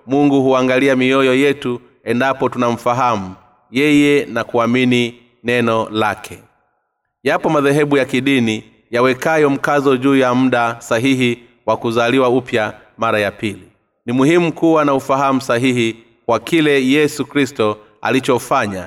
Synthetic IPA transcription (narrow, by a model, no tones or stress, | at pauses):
muŋɡuhuaŋɡaliamiɔjɔjɛtu | ɛndapɔtunam̩faɦamu | jɛjɛnakuamini | nɛnɔlakʰɛ | japɔmaðɛɦɛɓujakiɗini | jawɛkajɔm̩kazɔʄuːjam̩ɗasaɦiɦi | wakuzaliwaupja | maɾajapili | nimuhimukuwanaufaɦamusaɦiɦi | kwakilɛjɛsukɾistɔ | a̰lit͡ʃɔfaɲa